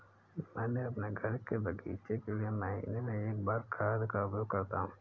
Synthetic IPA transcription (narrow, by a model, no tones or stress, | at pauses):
mɛ̃ːnẽɐpneɡʱɐɽkːebʱəɡḭːt͡ʃekelieməɦḭːnemẽeːk̚baːɾkʰaːd̪kaːbokɐɾt̪aɦũː